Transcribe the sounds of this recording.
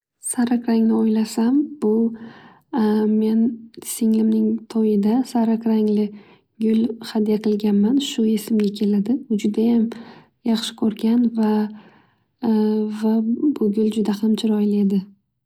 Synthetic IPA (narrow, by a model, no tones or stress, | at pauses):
saɾakɾaŋlɪojlasamb̥ʊ | me̞nsɪŋlɪmnɪŋt̪ʰojɪd̪asaɾakɾaŋlɪ | ɡʲʊlhad̪ijaqʰɨlˠɡʲanmanʃʊe̞sɪmɡʲakʲʰe̞lad̪ɪʊd͡ʒʊd̪ajam | jɑχʃɪ̥kʲʰɵɾɡʲanva | vabʊɡʲʊld͡ʒʊd̪ahamt͡ʃʰɪɾɒjɪle̞d̪ɪ